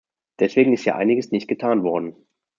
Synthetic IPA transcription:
d̥ɛsv̥eːɡŋ̩ɪsthiːɐ̰ʔa̰ɪnɪɡəsnɪçt̚ɡ̥ətʰaːnvɔɐdn̩

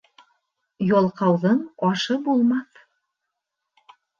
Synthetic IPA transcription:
jɑlˠqɑwðɤɴɒʃɤbulˠmɑθ

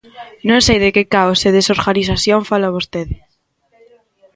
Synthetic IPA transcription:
nõnsejðekekaoseðesoɾɣaniθaθjõɱfalaβost̪eðɪ

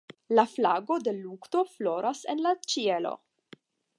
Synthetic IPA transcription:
laflaɡo̞d̪e̞lukt̪o̞flo̞ɾasenlat͡ʃielo̰

